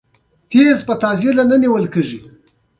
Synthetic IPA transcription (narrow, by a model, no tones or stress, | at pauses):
t̪ezpət̪ɑzelanəniwəlkeʐi